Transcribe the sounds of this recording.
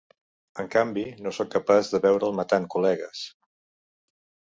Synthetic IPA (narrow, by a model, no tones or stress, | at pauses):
əŋkambinosɔkːəpazðəβɛwɾəːlˠmət̪aŋkulɛɣəs